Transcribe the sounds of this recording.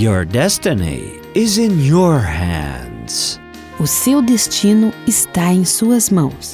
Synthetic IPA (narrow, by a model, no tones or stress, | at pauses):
jɔɹdɛstɨnḭ | ɪzɪ̃njɔɹhæ̰̃ndz̥ | ʊsewd̪est͡ʃĩnʊɪst̪aẽj̃suɐzmɐ̃w̃s